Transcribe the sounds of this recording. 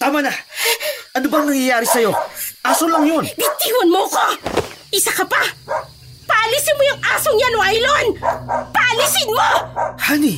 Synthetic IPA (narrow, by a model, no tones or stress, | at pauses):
t̪aːmɐna | ʔɐnobɐŋnɐŋjajaːɾɪsɐjo̞ʔaːsolɐŋjo̞nb̪ɪt̪iːwonmoɐkoʔɪsakɐpa | pɐʔɐlisɪnmojʊŋʔaːsoŋjanoajlonpɐʔɐlisɪnmohani